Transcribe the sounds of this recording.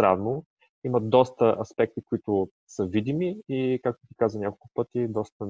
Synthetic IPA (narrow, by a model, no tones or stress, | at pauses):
ɾavnʊ | iməd̪ɔst̪əʔɐspɛk̚t̪ikoit̪ʊ | səvid̪imiikak̚t̪ʊt̪i̥kazvənʲakolˠkʊ̥pɤt̪id̪ɔst̪ə